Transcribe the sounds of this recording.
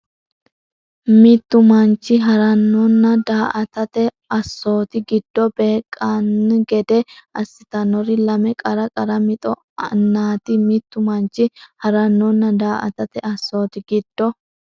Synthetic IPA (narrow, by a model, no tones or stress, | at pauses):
mit̪ːʊmɐnt͡ʃːɪɦɐɾɐnːɔnːɐd̪aːʔɐt̪ɐt̪ɛ | ɐsːo̞ːt̪ɪɡɪd̪̥ːɔbe̞ːkʼːanɡɛd̪ɛʔɐsːɪt̪ɐnɔɾɪlɐmɛkʼɐɾɐkʼɐɾɐmɪt̪ʼɔ | nːaːt̪ɪmit̪ːʊmɐnt͡ʃːɪhɐɾɐnːɔnːɐd̪aːʔɐ̰t̪ɐt̪ɛɐsːo̞ːt̪ɪɡɪd̪̥ːɔ